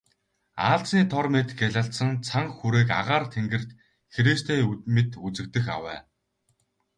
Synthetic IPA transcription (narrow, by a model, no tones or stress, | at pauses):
aːɮt͡sniːt̪ʰɔrmet̪ɡæɮăɬt̪sə̆ŋt͡sʰaŋxuɾeːka̰ʁaːrt̪ʰeŋɡɘ̆rt̪ | xeɾeːst̪ʰeːmet̪ut͡sɘ̆k̚t̪ɘ̆xa̰wæ̰ː